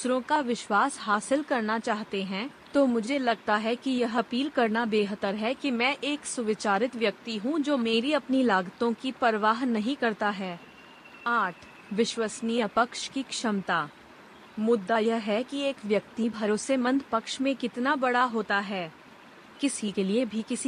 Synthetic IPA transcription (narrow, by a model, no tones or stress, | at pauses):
sɾõkaʋɪʃwaːsɦaːsɪlkɐɾnat͡ʃaːɦt̪eɦɛ̃ | t̪oːmʊd͡ʒʱelɐɡ̚t̪aɦɛkijɐɦɐpiːlkɐɾnabeːɦət̪əɾɦɛkimɛ̃ʔeːksʊʋɪt͡ʃaːɾɪt̪ʋjɐk̚t̪iɦũd͡ʒoːmeːɾiɐpnilaːɡt̪õkipɐɾʋaːɦnɐɦĩkɐɾt̪aɦɛː | aːʈʰ | ʋɪʃwəsnijəpɐkʃkikʃɐmt̪aː | mʊd̪ːaːjəɦɛkieːkʋjɐk̚t̪ibʱɐɾoːsemə̃nd̪pɐkʃmẽkɪt̪nabɐɽaɦoːt̪aɦɛː | kɪsikeliebʱikɪsi